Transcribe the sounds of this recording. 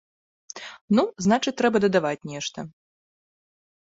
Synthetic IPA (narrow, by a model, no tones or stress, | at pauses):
nuznat͡ʂɨt̪ɾɛbɐd̪ɐd̪avat͡sʲnʲɛʂt̪ɐ